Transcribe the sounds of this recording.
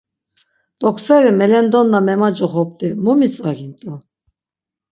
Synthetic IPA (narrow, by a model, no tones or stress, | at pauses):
t̪ʼɔkʰsɛɾimɛlɛnd̪ɔnːamɛmad͡ʒɔχɔp̚t̪ʼimumit͡sʼvaɡint̪ʼu